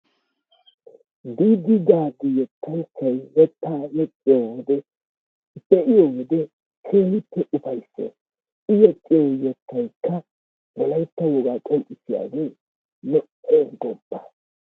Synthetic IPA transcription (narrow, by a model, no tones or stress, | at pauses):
biːd̪ɪd̪aːd̪ɪjɛt̪ʰːɐjsɐjjɛt̪ːaːjɛt͡ʃʼːɪjoːwɔd̪ɛ | bɛʔɪjoːwɔd̪ɛ | kʰeːnɪpːɛʔʊfɐjsːɛ̰ | ɪjɛt͡ʃʼːɪjojɛt̪ːɐjkːɐ | wɔlɐjt̪ːɐwɔɡaːkʼɔmʔʼɪsɪja̰ːɡeː | nɔʔeɡɔbːa